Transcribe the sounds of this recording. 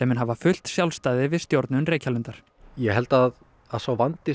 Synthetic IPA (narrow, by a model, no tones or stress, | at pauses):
ɛmɪnɦavafʏl̥t̪sjawlst̪aːðɪvɪðst̪jowɾt̪nʏnreːjcʰalʏnt̪aɾ̥ | jɛɦɛlt̪að | aðθawvant̪ɪ